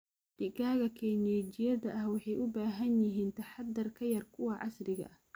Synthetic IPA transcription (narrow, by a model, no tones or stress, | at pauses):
ɖ̥ɪkʰaːɣɐkʰɛːnɛːt͡ʃɪjɐðɐʔɐhwɑħɑjʔʊbaːɦɐnjɪɦiːnt̪ʰɐħɑd̪ːɐrkʰɐjɐrkʰʊwɑʕɑsrɪɣɐ̰